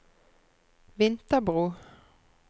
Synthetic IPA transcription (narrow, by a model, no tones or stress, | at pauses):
ʋɪnt̪əbʁuː